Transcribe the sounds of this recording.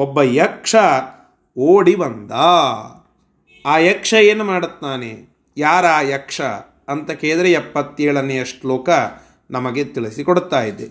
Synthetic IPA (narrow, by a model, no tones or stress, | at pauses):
ɔbːɐjɐkʂɐ | oːɽibɐnd̪ɐ | aːjɐkʂɐeːnumaːɽut̪ːaːnḛ | jaːɾaːjɐkʂɐ̰ | ɐnt̪ɐkeːd̪ɐɾeɛpːɐt̪ːeːɭɐnːeɐʂʈloːkɐ | nɐmɐɡet̪iɭisikoɽut̪ːaːjid̪ːe